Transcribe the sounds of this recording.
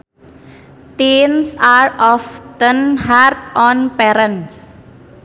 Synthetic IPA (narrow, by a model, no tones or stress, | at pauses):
ʈeːnsaːɾɔft̪ə̃nhaːɾʈɔ̃ːnpeɾə̃ns